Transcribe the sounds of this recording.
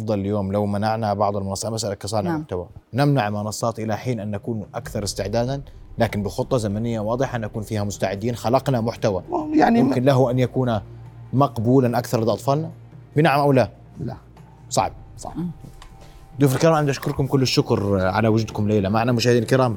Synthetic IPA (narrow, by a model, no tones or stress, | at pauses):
ʔʔɑfd̪ˤɑlɪljoːmlawmanaʕnabɑʕd̪ˤɑlmʊnɑsˤːɑːmasʔalakɑsˤɑːnmʊħt̪awanɪmnaʕmʊnɑsˤːɑːt̪ʔɪlaħiːnʔanːʔakuːnuʔakθɑɾˤɪst̪ɪʕd̪aːd̪an | laːkɪnbɪxʊt̪ˤːɑzamanɪjːawɑːd̪ˤɨħanʔakuːnfiːhamʊst̪aʕɪd̪ːiːnxalɑqnamʊħt̪awajanʊmkɪnlaɦuʔanjakuːnamɑqbuːlanʔakθɑɾˤʔd̪ʔɑt̪ˤfɑːlna | bɪnaʕamʔawla | sˤɑ̰ʕb̚ˤɑ̰ | d̪uːfɪlkɪɾɑːmʕɪnd̪ʔaʃkʊɾˤkʊmkʊlːɪʃːʊkɾʕa̰lawʊd͡ʒuːd̪kʊmleːlamaʕnamʊʃaːhɪd̪iːnalkɪɾɑːm